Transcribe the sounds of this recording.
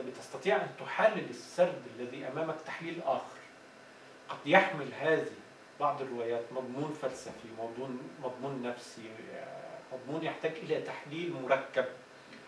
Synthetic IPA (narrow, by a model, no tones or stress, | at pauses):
bɪt̪ɑst̪ɑt̪ˤiːʕʔænt̪ʊħalːɪlɪsːɑɾd̪alːæðiːʔæmæːmækt̪aħliːlʔæːxɪɾ | qɑd̪jaħmɪlɦaːði | b̥ɑʕd̪ˤɪrːɪwæːjæːt̪mɑd̪ˤmuːnfælsæfimɑd̪ˤuːnmɑd̪ˤmuːnːæfsi | mɑd̪ˤmuːnjɪħt̪æːɡʔɪlæːt̪aħliːlmʊɾˤɑkːæb̚